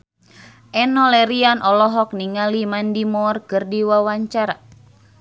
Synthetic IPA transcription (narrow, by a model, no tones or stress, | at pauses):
ʔɛnɔlɛɾianʔɔlɔɦɔk̚niŋalimandimɔrkɨrdiwawaɲt͡ʃaɾa